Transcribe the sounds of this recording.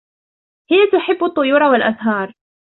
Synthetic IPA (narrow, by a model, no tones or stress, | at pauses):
hɪjat̪ʊħɪbːʊt̪ˤːʊjuːɾˤawalʔaðɦɑːɾˤ